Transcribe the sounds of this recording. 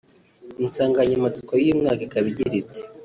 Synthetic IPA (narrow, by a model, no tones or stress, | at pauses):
insaːŋɡaɲamat͡si̥kojiːmŋaːkekaβiɟiɾit͡se̥